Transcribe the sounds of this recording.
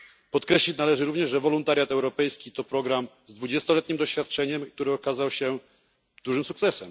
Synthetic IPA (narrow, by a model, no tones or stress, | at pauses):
pɔt̪kɾɛɕlʲit͡ɕnalɛʐɘɾuvɲɛʐʐɛvɔlunt̪aɾʲjat̪ɛwɾɔpɛjskʲit̪ɔpɾɔɡɾam | zd̪vud͡ʑɛst̪ɔlɛt̪ɲimd̪ɔɕfʲjat̪̚t͡ʂɛɲɛmk̚t̪uɾɘɔkazawɕɛ | d̪̥uʐɘmsukt̪sɛsɛm